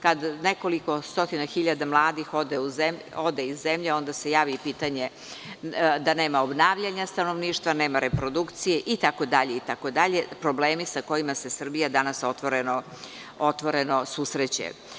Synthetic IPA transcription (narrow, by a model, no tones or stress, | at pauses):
kad̪ne̞ko̞liko̞st̪o̞t̪inaxiʎad̪amlˠaːd̪ixo̞d̪euzem | o̞d̪eizːe̞mʎeo̞nd̪ase̞jaːʋipit̪aɲe̞ | d̪ane̞ːmaobnaːʋʎaɲast̪ano̞ʋniːʃt̪ʋane̞ːmaɾe̞pɾo̞d̪ukt̪sijeʔit̪ako̞d̪aʎe̞it̪ako̞d̪aʎe̞pɾobleːmisako̞jimase̞sr̩bijad̪anaso̞t̪ʋoɾeno | ot̪ʋo̞ɾe̞no̞susɾet͡ɕḛ